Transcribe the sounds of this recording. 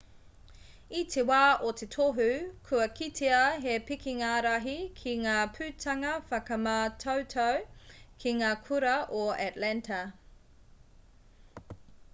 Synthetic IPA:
it̪ʰewaːʔot̪ʰetʰoɦʉkʰʉɐkʰitʰeɐɦepikʰiŋaːɾɐɦikʰiŋaːpʰʉtʰɐŋɐfɐkɐmɐtʰowtʰowkʰiŋaːkʰuɾɐʔoɛtlɛntʰɐ

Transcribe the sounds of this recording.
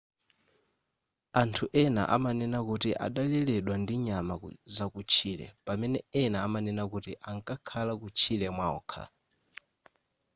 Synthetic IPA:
antʰuʔɛna̰ʔa̰manɛnakutiʔa̰ɗalɛlɛɗwandiɲamazakut͡ʃʰiːlɛ̰pamɛnɛɛnaːmanɛnakutiʔaŋkʼakʰalakut͡ʃʰilɛmwaɔ̰kʰa̰

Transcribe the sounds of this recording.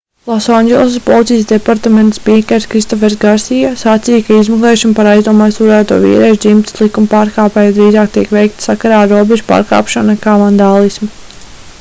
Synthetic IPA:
lˠɔsanɡelˠsspɔlˠit̪sijsd̪epaɾt̪ament̪spiɛkʲɛɾskɾist̪ɔfɛɾsɡaɾsijasat̪sijkaizmaklˠeːʃunpaɾajzd̪uɔmaːjst̪uɾæːt̪ṵɔvḭːɾɛʒd̪zimt̪i̥slˠikumpaːɾkaːpɛːjd̪ɾiːzaːk̚t̪iɛkʋɛjk̚t̪sakaɾaːɾuɔbeʒupa̰ːɾka̰ːpʃɔnkaːvand̪aːlˠismu

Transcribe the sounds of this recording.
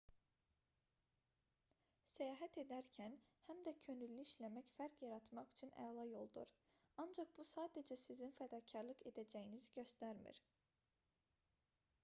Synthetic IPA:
sæjɑːɦæt̪ʰe̞d̪æɾcʰænhæmd̪æcʰø̞nylːyiʃlæmæcfæɾcjɑɾɑt̪mɑχy̥t͡ʃʰynæ̰ɑlˠɑjo̞lˠd̪ṵɾ | ɑnd͡ʒɑqb̥usɑːd̪ed͡ʒæsizinfæd̪ɑːcʰɑɾlˠɯqe̞d̪æd͡ʒæjinizɟø̞st̪æɾmḭɾ̥

